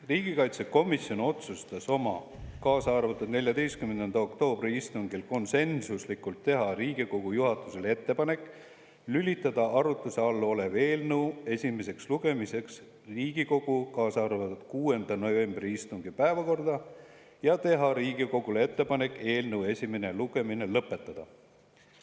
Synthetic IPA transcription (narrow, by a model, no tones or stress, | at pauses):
riːɡ̥ikɑjt̪se̞ko̞misjo̞no̞t̪sust̪ɑso̞mɑ | kɑːsɑɑrvɑt̪ːud̪nelʲjɑd̪e̞jst̪kymend̪enɑo̞kt̪o̞ːb̥riist̪uŋɡ̥ilko̞nse̞nsuslikːult̪ːe̞ɦɑriːɡ̥iko̞ɡ̥ujuɦɑt̪ːˑuse̞le̞t̪ːe̞pɑne̞kːˑ | lylʲit̪ːˑɑd̪̥ɑʔɑɾut̪ːˑuse̞ɑlːo̞le̞ve̞ːlnəwe̞sʲime̞se̞ksluɡ̥e̞mise̞ks | riːɡ̥iko̞ɡ̥ukɑːsɑɑrvɑt̪ːud̪̥kuːe̞nd̪̥ɑno̞ve̞mbriist̪uŋɡ̥ipæevɑko̞rd̪̥ɑ | jɑt̪e̞ɦɑɾiːɡ̥iko̞ɡ̥ulee̞t̪ˑːe̞pɑne̞kːˑe̞ːlnəwe̞sʲime̞ne̞luɡ̥e̞mine̞lɤpːˑe̞t̪ːˑɑd̪̥ɑ